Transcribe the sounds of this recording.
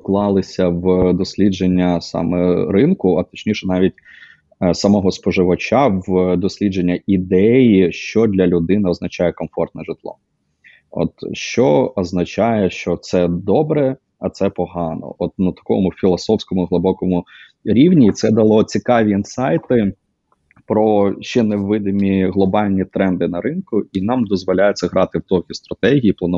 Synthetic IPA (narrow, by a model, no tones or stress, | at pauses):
klˠɑlˠɪsʲɐwd̪ɔsʲlʲid͡ʒenʲːɐsɑ̰mɛ̰ɾɪnkʊɐt̪ɔ̥t͡ʃnʲiʃɛnɑʋʲitʲ | sɐmɔɦɔspɔʒɪʋɐt͡ʃawd̪ɔsʲlʲid͡ʒenʲːɐid̪ɛjiʃt͡ʃɔd̪ʲlʲɐlʲʊd̪ɪnɪɔznɐt͡ʃɑjɛkɔmfɔrt̪̚nɛʒɪt̪lˠɔ̰ | ɔ̰t̪ʃt͡ʃɔɔznɐt͡ʃɑjɛʃt͡ʃɔt̪sɛd̪ɔbɾɛ | ɐt̪sɛpɔɦɑnɔ̰ɔt̪̚nɐt̪ɐ̥kɔ̰mʊfʲilˠɔsɔwsʲkɔmʊɦlˠɪbɔkɔmʊ | ɾʲiwnʲiːt̪sɛd̪ɐlˠɔt͡sʲikɑʋʲiːnsɑjt̪ɪ | pɾɔʃt͡ʃɛnewːɪd̪ɪmʲiɦlˠɔbɑlʲnʲit̪ɾɛnd̪ɪnɐɾɪnkʊinɑmd̪ɔzʋɔlʲajʊt͡sʲːɐɦɾʔɑt̪ɪwt̪ɔkʲist̪ɾɐt̪ɛɦʲijiplˠɐn